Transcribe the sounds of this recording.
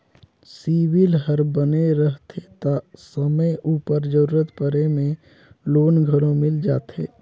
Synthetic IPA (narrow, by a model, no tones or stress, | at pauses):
siːwɪlɦəɾbəneɾəɦt̪ʰet̪asəməjʔuːpəɾd͡ʒəɾuːɾət̪pəɾemẽ | loːnɡʱəɾõmɪld͡ʒaːt̪eː